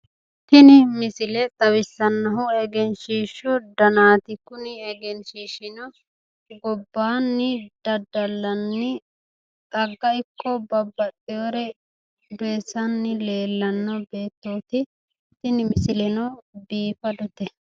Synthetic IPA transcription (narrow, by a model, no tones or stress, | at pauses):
t̪ɪnɪmɪsɪlɛt̪ʼɐwɪsːɐnːɐɦʊɛɡɛnʃiːʃːʊd̪ɐnaːt̪ɪkʊnɪɛɡɛnʃiːʃɪnɔ | ɡɔbːaːnːɪd̪̥ɐd̪ɐlːɐnːɪ | ʔɐɡːɐɪkːɔbɐbːɐɗɪjoɾɛ | beːsɐnːɪle̞ːlːɐnːɔbeːt̪ːoːt̪ɪ | t̪ɪnɪmɪsɪlɛnɐbiːfɐd̪ɔt̪ɛ